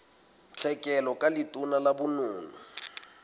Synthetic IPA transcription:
t͡ɬʰɛkʼɛlɔkʼalɪtʼʊnalabʊnʊːŋu

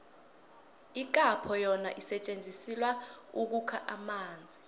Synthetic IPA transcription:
ik̬ʼapʰɔjɔnaʔisɛt͡ʃʼend͡zʱisilwauk̬ukʰaʔamaːnd͡zʱi

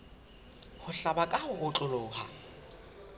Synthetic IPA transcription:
hʊɬabakʼahʊʔʊt͡ɬʼʊlʊːɦa̰

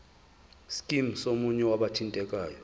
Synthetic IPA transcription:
skʼimsomuɲɛwaɓatʰintʼɛkʼaːjɔ

